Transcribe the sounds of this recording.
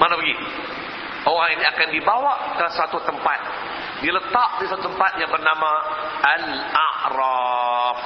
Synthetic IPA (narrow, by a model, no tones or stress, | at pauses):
manabəɡi | ʔoɣaŋiniakandibawakəsat̪ut̪əmpat̪̚ | dilət̪aʔ̚disat̪ut̪əmpat̪̚jaŋbərnama | al | aʔɾɔf